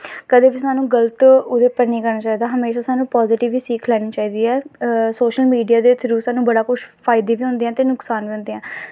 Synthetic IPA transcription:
kəd̪eːʋisaːnũːɡələt̪ʊd̪eːpəɾniːkəɾnaːt͡ʃaːiːd̪aːɦəmeːʃaːsaːnũːpɔːzɪʈɪʋːiːsiːkʰlɛːɽ̃iːt͡ʃaːiːd̪iːɛːsoːʃəlmiːɖijaːd̪eːt̪ʰəɾuːsaːnũːbəɽaːkʊʃpʰaːɪd̪eːʋiːʊ̃nd̪ẽːɛ̃ːt̪eːnʊksaːnʋiːʊ̃nd̪eːɦɛ̃ː

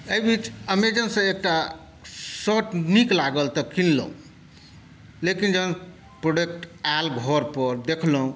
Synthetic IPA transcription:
əjbʱit͡ʃəmed͡ʒənsə̃ek̚ʈa | sɔʈniklaɡəlt̪ɔkinlə̰ũ | lekind͡ʒən | pɾoɖek̚ʈalɡʱɔɾpəɾd̪ekʰləũ

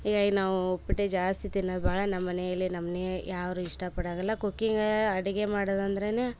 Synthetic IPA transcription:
ɦiːɡaːɡnaːʋuopːiʈːed͡ʒaːst̪it̪inːoːd̪bʱaːɭɐnɐmːɐnejɐlːinɐmːɐnejaːʋɾuiʂʈɐpɐɽaːɡɐlːɐkokːiŋɡɐɽiɡe̞maːɽɐd̪ɐnd̪ɐɾene

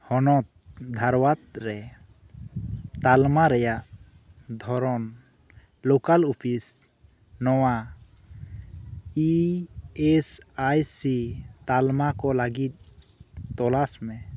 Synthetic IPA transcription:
hɔnɔt̪̚d̪ʱaɾwat̪̚ɾɛ | t̪almaɾɛjaʔ | d̪ʱɔɾɔn | lokalupʰis | nɔwa | i | ɛsajsit̪almakɔlaɡit̪̚ | t̪ɔlasmɛ

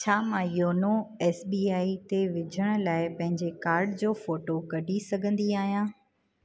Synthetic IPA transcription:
t͡ɕʰaːmãjoːnoɛːsbiːaːit̪eʋɪd͡ʑʱəɽ̃̆laːɪpɐ̃ɦɪ̃ɲd͡ʑekaːɾɖd͡ʑoːfoːʈokɐɖʱisɐɡʱə̃nd̪iaːɦijãː

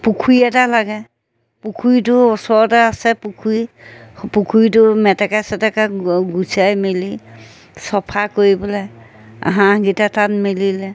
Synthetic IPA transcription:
pukʰujɛtalaɡɛ | pukʰujtʊɔsɔɹɔtaːsɛpukʰujpukʰujtʊmɛtakasɛtakaɡusajmili | sɔpʰakoɹibɔlɛ | a̰ɦãɡitatanmililɛ

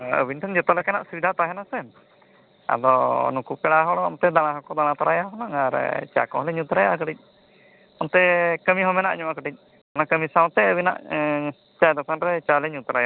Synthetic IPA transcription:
ə̰bint̪ʰaŋd͡ʒɛt̪ɔlɛkanaʔsubid̪ʱat̪aɦɛnasɛm | a̰d̪ɔnukupɛɽaɦɔɽamt̪ɛd̪aɽ̃ãɦɔkɔd̪aɽ̃ãt̪aɾajaɦɔnaŋaɾt͡ʃa̰kɔɦɔlɛɲut̪ɾajakəʈic̚ˀ | ɔnt̪ɛkəmiɦɔmɛna̰ʔɲɔmakəʈic̚ | anakəmisaw̃t̪ɛəbina̰ʔ | t͡ʃajd̪ɔkanɾɛt͡ʃalɛɲut̪ɾaja

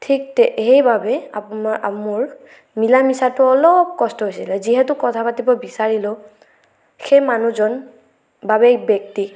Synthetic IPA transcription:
tʰik̚tɛʔejbabɛaamʊɹ | milamisatʊɔlɔp̚kɔstɔɦojsilɛziɦɛtʊkɔtʰapatibɔbisaɹilʊ | xejmanuzɔn | babɛbɛk̚ti

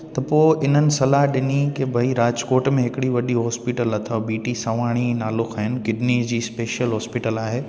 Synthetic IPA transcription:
t̪ɐpoːɪʔɪn̤ənɪ̆sɐlaɦɗɪnikebʱɐiɾaːd͡ʑkoːʈmẽɦɪkɪɽiʋɐɗiɦɔːspiʈəlɐt̪ʰɐbiːʈisɐʋaːɽ̃inaːlʊxaɦɪnɪ̆kɪɖniːd͡ʑiːspeːʃjəlɦɔːspɪʈəlaːɦeː

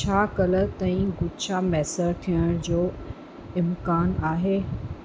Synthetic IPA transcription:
t͡ɕʰaːkɐlət̪ãːĩɡʊdt͡ɕʰamɛːsəɾt̪ʰijəɽ̃d͡ʑoː | ɪmkaːnaːɦeː

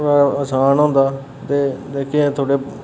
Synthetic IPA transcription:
aəsaːnõːnd̪aː | t̪eːd̪eːkʰiẽt̪ʰoːɽeː

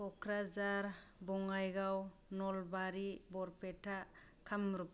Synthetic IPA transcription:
ɔkɾazaɾbɔŋajɡaw | nɔlbaɾibɔɾpʰetʰa | kʰamɾup̚

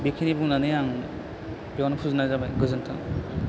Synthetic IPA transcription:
bekʰinibuŋnanɯjaŋ | bjɔnpʰuznazabajɡɯzɯntʰa̰ŋ

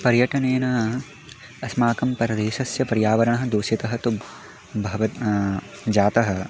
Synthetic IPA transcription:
pɐɾjɐʈɐneːnɐ | ɐsmaːkɐmpɐɾɐd̪eːʃɐsjɐpɐɾjaːʋɐɾɐɳɐɦɐ̆d̪uːʃit̪ɐɦɐt̪u | bʱɐʋɐt̪ | d͡ʒaːt̪ɐɦɐ̆

